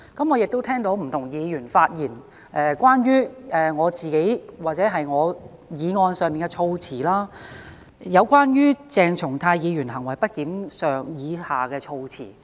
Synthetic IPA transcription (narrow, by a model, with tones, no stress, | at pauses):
kɐ˨˥mŋɔː˨˧jɪ˨k̚t̪wt̪ʰɛː˥ŋt̪o˨˥wm̩˨˩t̪ʰʊ˨˩ŋjiː˨˧jyː˨˩nfaː˧t̚jiː˨˩n | ʔɛː˧kʷwaː˥njyː˥ʔɛː˨ŋɔː˨˧t͡siː˨ke˨˥jwaː˨t̚t͡sɛː˨˥ɦɐ˨jŋɔː˨˧ | jiː˨˧ŋɔː˧nsœː˨ŋmiː˨nkɛ˧t͡ʃʰo˧wt͡sʰiː˨˩laː˥ | jɐ˨˧wkʷwaː˥njyː˥t͡sɛː˨ŋt͡sʰʊ˨˩ŋt̪ʰaː˧jjiː˨˧jyː˨˩nɦɐ˨˩ŋwɐ˨˩jpɐ˥t̚kiː˨˥msœː˨ŋjiː˨˧haː˨kɛː˧t͡ʃʰo˧wt͡sʰḭː˨˩